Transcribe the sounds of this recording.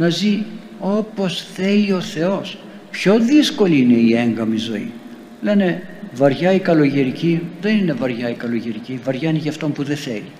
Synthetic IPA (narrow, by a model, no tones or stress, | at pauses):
nɐzi | o̞po̞sθe̞lio̞θe̞o̞s | pço̞ðisko̞liine̞ie̞ŋɡɐmizo̞ḭ | le̞ne̞vɐɾʝɐikɐlo̞ʝeɾiciðe̞nine̞vɐɾʝɐikɐlo̞ʝeɾicivɐɾʝɐniʝɐft̪o̞mpuðeθe̞̰li